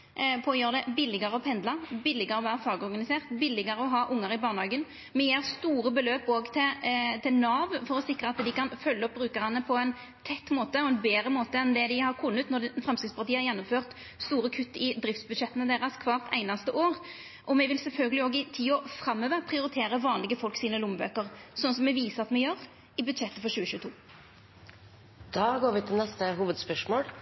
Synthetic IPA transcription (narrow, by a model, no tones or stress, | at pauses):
pʰoːjøːʁd̪ɛbɪlɪɡəɾəɔpʰɛnd̪lɑbɪlːɪɡəɾɔʋæːɾəfɑːɡɔɾɡɑnɪseːʁt̪bɪlːɪɡəɾəɔɦɑːʔʊŋːəɾɪbɑːʁnhɑːɡən | mɛjeːʁst̪uːɾəbəløːpoːɡt̪ʰɪt̪ʰɪlnɑːʋfɔɾɔsɪkɾəɑt̪d̪ɪkɑnfœlːəɔp̚bɾʉːkəʁənːəpʰɔɛɪn | t̪ʰɛt̪ːmoːt̪əɔɛnbeːɾəmoːt̪əɛnd̪ɛd̪ɪhɑʁkʰʊnːət̪nɔfɾʁɛmskɪt̪spɑʁt̪iːəɾjɛnːʊmføːʁt̪ | st̪uːɾəkʰʉt̪ːɪd̪ɾɪft̪sbʉd̪ʃɛt̪ːənəd̪eːʁɑskʰʋɑːʁt̪ʰæ̰ɪnɑst̪əʔoːʁ | ʔɔmɛʋɪlsɛlfœlɡəlɪoːɡɪt̪ʰiːɔfɾɑmːøːʋəpʰʁɪʊɾɪt̪ʰeːɾəʋɑːnlɪɡəfɔlksiːnəlʊmbø̰ːkəʁsɔnːəsɔmɛʋiːsəʁɑt̪mɛjøʁ | ɪbʉd̪ʃɛt̪ːəfɔʁɕʉːəçʉːət̪ʰṵː | d̪̥ɑːɡoːɾʋɪt̪ʰɪlnɛst̪əɦuːʋəd̪spœʂmoːl